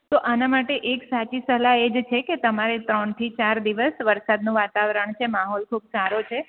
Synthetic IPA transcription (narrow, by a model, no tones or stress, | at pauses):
t̪oʔanamaʈeʔeksat͡ʃisəɦlaed͡ʒt͡ʃʰeket̪əmaɾet̪ɾəɳt̪ʰit͡ʃaɾd̪iʋəsʋəɾsad̪nũʋat̪aʋɾəɳt͡ʃʰemaɦɔlkʰubsaɾot͡ʃʰe